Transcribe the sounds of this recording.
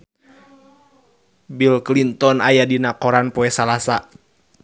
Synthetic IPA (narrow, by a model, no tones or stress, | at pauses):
bilklint̪ɔnajadinakɔɾanpɔɛsalasa